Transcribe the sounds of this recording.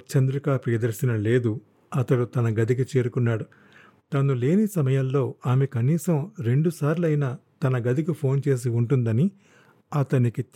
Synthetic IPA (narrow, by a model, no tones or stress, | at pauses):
t͡ʃɐnd̪ɾikaːpijɐd̪ɐɾsinɐle̞ːd̪u | ɐt̪ɐɽut̪ɐnɐɡɐd̪ik̬it͡ʃe̞ːɾukunːaːɽu | t̪ɐnule̞ːnisɐmɐjɐllo̞ːaːmekɐniːsɐmɾe̞ɳɖusaːɾlɐjnaːt̪ɐnɐɡɐd̪ikipʰo̞ːnt͡ʃe̞ːs̬iuɳʈund̪ɐni | ɐt̪ɐniki